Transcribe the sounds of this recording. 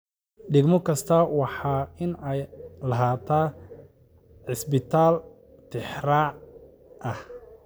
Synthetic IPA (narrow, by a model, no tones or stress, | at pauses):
ɖɪɡmɔkʰɐst̪ʰɐwɑħɑːɪnɛjlɐɦaːt̪ʰaː | ʕɪsbɪt̪ʰaːl | t̪ʰɪħraːʕ | ʔɐh